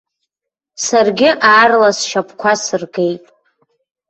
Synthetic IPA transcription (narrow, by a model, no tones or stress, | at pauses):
sarɡʲɪʔaːrlasʃapʰkʷʰasɨrɡe̞jtʼ